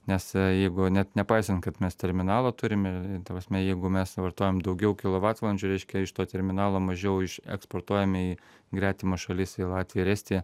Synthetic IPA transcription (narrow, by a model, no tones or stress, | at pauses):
nʲɛsjɛɪɡʊnʲɛt̪nʲɛpɑɪsʲɐnt̪kɐt̪mʲɛst̪ʲɛɾʲmʲɪnɑːlˠoːt̪ʊɾʲɪmɪt̪ɐpɾɐsʲmʲɛjɛɪɡʊmʲɛsʋɐrt̪oːjɛːmd̪ɐʊɡʲɛʊkʲɪlˠoʋɑːt̪lˠɐnʲd͡ʒʲʊɾʲɛɪʃʲkʲɛɪʃt̪oːt̪ʲɛɾʲmʲɪnɑːlˠoːmɐʒʲɛʊɪʃɛ̰kspoːrt̪uɔjɛmiː | ɡɾʲæːt̪ʲɪmoːʃɐlʲɪsɪlˠɑːt̪ʲʋʲijɾʲæːsʲt̪ʲeː